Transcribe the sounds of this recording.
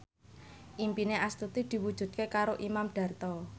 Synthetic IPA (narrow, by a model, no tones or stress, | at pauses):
ʔimpineʔast̪ut̪id̪̥i̤wud̥ʒ̥ṳd̪̚kekaɾoʔimamɖ̥ä̤rt̪ɔ